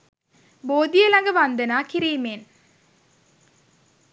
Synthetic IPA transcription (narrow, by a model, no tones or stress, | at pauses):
boːd̪ijəlaŋɡəʋand̪ənaːkiɾiːmen